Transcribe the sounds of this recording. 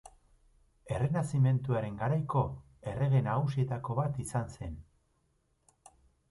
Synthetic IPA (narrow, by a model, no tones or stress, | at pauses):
e̞re̞nasime̞nt̪uaɾe̞ŋɡaɾajko̞ | e̞re̞ɣe̞naɣus̬ie̞t̪ako̞βat̪isanse̞n